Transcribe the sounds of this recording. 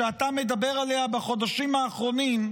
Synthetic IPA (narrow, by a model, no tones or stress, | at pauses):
eat̪ame̞d̪abe̞ʁaleabaχo̞d̪aʃimaːχʁo̞nim